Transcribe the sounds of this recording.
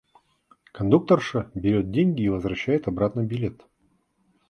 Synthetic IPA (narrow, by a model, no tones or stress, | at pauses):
kɐnd̪uk̚t̪ərʂɨbʲɪɾʲo̞t̪̚dʲenʲɡʲɪːvəzvrɐɕːæjɪt̪ɐbɾat̪nɨbʲɪlʲet̪